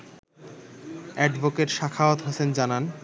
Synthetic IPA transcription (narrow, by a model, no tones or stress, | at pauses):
ɛɖbokeʈʃakʰaot̪ɦosend͡ʑanan